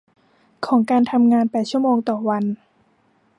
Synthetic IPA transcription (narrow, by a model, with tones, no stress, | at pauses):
kʰɔː˩˦ŋkaː˧nt̪ʰa˧mŋaː˧npɛː˨˩t̪̚t͡ɕʰu˥˩əmoː˧ŋt̪ɔː˨˩wa˧n